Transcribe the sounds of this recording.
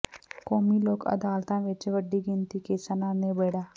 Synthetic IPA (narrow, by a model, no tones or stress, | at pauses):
koːmiːloːkə̰d̪aːlt̪ãːʋɪt͡ʃʋəɖːiːɡɪnt̪iːkeːsənãːnẽbeːɽaː